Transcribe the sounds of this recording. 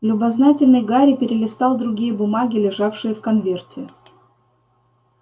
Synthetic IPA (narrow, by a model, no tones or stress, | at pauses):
lʲʊbɐznatʲɪlʲnɨjɡaɾʲɪpʲɪɾʲɪlʲɪst̪ɑlˠd̪ɾʊɡʲijəbʊmaɡʲɪlʲɪʐafʂɨjəfkɐnvʲe̞rtʲɪ